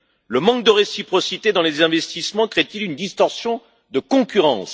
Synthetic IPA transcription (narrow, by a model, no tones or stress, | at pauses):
ləmɑ̃k̚d̪əʁesipχɔsit̪ed̪ɑ̃lezɛ̃vɛst̪ismɑ̃kχɛt̪ilynd̪ist̪ɔʁsjɔ̃ | d̪əkɔ̃kʲyʁɑ̰̃s